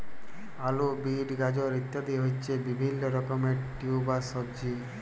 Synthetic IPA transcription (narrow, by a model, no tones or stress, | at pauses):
alobiɖɡad͡ʑoɾit̪ːad̪iɦojt͡ʃʰebibʱinːɔɾɔkɔmeʈiubasɔbd͡ʑi